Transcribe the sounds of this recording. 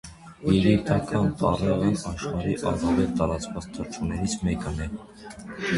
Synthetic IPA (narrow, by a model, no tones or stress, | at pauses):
jɛɾit̪ɑkɑnt̪ɑrɛʁənɑʃχɑɾiʔɑrɑvɛlt̪ɑɾɑt͡svɑt͡st̪ʰəɾt͡ʃʰunɛɾit͡sʰmɛkənɛ